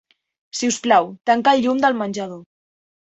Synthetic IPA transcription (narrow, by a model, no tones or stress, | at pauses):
siusplawt̪aŋkaʎːumd̪əlmanʲʒaðo